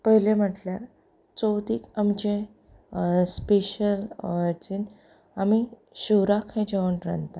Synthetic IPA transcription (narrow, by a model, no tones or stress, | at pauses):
pəɦilem̤əʈljaɾ | t͡sɔwt̪iːkamd͡ʑẽ | speɕələɾt͡ɕin | ami | ɕuɾakʰhẽd͡ʑeʋəɳɾənt̪a